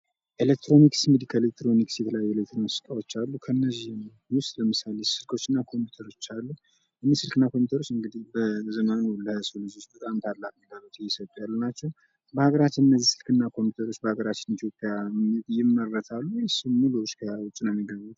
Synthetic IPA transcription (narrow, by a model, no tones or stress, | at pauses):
ʔelek̚t̪ɾo̞niksɡɨd̪ikʰəelek̚t̪ɾo̞niksjɛt̪ʰələjajːɛelek̚t̪ʰɾonsɨ̥k̪ʼawo̞t͡ʃːalːukʰəɨnːəzːihm | wʊst̪ʼləmɨsalesɨlkʰo̞t͡ʃːɨnːakʰo̞mpju̥t̪ʰəɾo̞t͡ʃːalːu | ʔɨnːisɨlkɨnːakʰo̞mpjut̪əɾo̞t͡ʃːɨŋɡɨd̪ihbəzəmanwulːəhsolɨd͡ʒot͡ʃbət̪ʼamt̪ʰalːak̚miɡəβut̪jjɛsət̪ʼujalːunat͡ʃːɛw | bəhaɡəɾat͡ʃːɪnɨnːəzːisɨlkʰɨnːakʰo̞mput̪ʰəɾo̞t͡ʃːbəhaɡəɾat͡ʃːɪnit̪ʰjo̞pʼjajɪmːərːət̪ʰalːujɛsɨmuluskʰəwʊt͡ʃʼːinamiɡəɲut̪